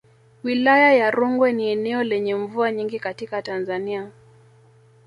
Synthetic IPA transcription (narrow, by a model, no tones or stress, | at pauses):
wilajajaɾuŋɡwɛniɛnɛɔlɛɲɛɱvuaɲiŋɡikatikatanzania